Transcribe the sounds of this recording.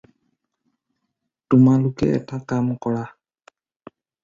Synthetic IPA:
tʊmalʊkɛ̰ɛ̰takamkɔɹa

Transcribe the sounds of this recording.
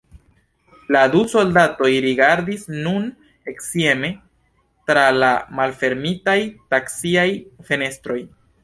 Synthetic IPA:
laduso̞ldato̞jɾiɡaɾdisnun | e̞ksie̞me̞ | tɾalamalfe̞ɾmitajtaksiajfe̞ne̞stɾo̞j

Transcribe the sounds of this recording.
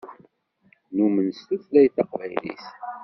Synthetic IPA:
numənst̪uθlæjθɑqvæ̰jlḭs

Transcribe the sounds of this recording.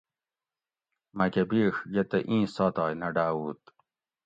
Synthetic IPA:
mɐkɐbiːxɡet̪ɐʔĩːsaːt̪ɑːjnɐɖaːuːt̪

